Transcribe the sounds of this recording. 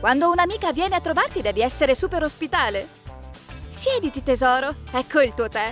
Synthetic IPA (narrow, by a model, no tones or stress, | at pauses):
kwand̪ounamiːkavːjɛːneat̪ːɾovart̪id̪ɛːviɛsːeɾesuːpeɾospit̪aːle | sjɛːd̪it̪it̪ezɔːɾoɛkʰːoilt̪uːot̪ɛ